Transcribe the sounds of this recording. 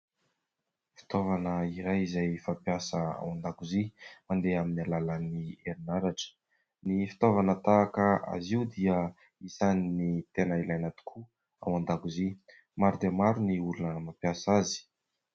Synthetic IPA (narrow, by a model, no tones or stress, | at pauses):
fi̥t̪ovanəiɾajizajfapjasəa̰wand̪akuzimand̪eaminialalənieɾinaɾaʈ͡ʂə̥ | nifi̥t̪ovanət̪aːkəa̰ziwd̪iə | isaninit̪enəilajnat̪u̥kʰu | a̰wand̪akuzi | maɾud̪emaɾuniulunəmapjasazi̥